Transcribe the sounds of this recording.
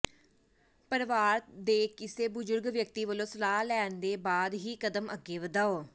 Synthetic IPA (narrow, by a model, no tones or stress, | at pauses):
pəɾʋaːɾd̪eːkɪseːbʊzʊɾɡʋjək̚t̪iːʋəlõːsəlaːɦlɛːnd̪eːbaːd̪ɦiːkəd̪əmʔəɡːeːʋəd̪aːoː